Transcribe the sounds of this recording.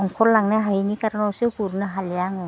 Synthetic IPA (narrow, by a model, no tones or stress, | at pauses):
ɔŋkʰɔɾlaŋnaɦajnikaɾnɔwsɯkuɾnaɦalijaŋɯ